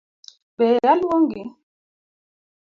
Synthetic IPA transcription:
b̥ɛjalwoŋɡi

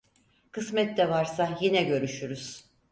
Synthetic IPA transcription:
kʰɯsmɛt̪ːɛvaɾsajinɛɟø̞ɾyʃyɾyz̥

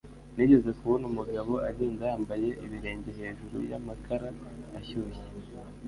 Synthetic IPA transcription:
niːɟe̞ze̞kuβonumuɡaβo̞ʔaɟe̞ːnzajaːmbaje̞ʔiβiɾe̞ːɲɟe̞ɦe̞ːʒuɾṵja̰makʰaɾaː | çuːje

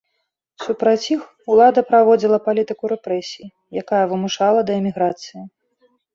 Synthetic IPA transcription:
supɾat͡sʲix | ulˠad̪ɐpɾavɔd͡zʲilˠɐpalʲit̪ɨkuɾɛpɾɛsʲiji | jakajɐvɨmuʂalˠɐd̪ɐɛmʲiɣɾat̪sɨji

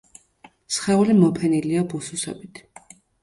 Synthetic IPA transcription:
sχɛulimɔpʰɛniliɔbususɔ̰bit̪ʰ

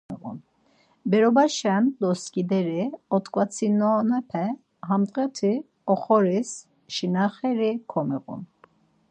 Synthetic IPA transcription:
ɛɣṵn | bɛɾɔbaʃand̪ɔskʼid̪ɛɾiɔt̪kʼvat͡sʰinɔnɛpʰɛ | hamt̪ʼʁɛt̪ʰi | ɔχɔɾis | ʃinaχɛɾikʰɔmɛɣṵn

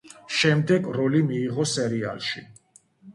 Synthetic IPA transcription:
ʃɛmd̪ɛɡɾɔlimiːʁɔsɛɾia̰lˠʃi

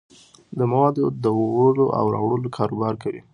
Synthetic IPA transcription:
d̪əmawɑd̪od̪əoɣəloʔa̰wɾɑ̰wɽəlokʰɑɾobɑɾkawḭ

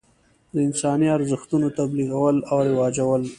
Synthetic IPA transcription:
d̪əɪnsɑniaɾzəxt̪unot̪abliɣawəlawɾɪwɑd͡ʒawəl

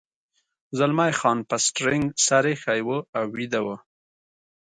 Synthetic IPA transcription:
zalmajxɑnpasʈɾɪŋɡsaɾexajwəawːid̪awə

